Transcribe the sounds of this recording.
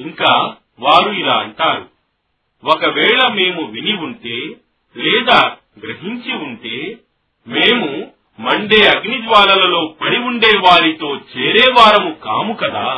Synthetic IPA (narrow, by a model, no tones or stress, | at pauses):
iŋkaː | ʋaːɾuilaːɐɳʈaːɾu | wɔkɐʋɛːɭɐme̞ːmuʋiniuɳʈeː | lɛːd̪aː | ɡɾɐɦiɲt͡ʃiuɳʈeː | meːmu | mɐɳɖeːɐɡnid͡ʒʋaːlɐlɐlo̞ːpɐɽiuɳɖɛːʋaːɾit̪o̞ːt͡ʃeːɾɛːʋaːɾɐmuka̰ːmukɐd̪aː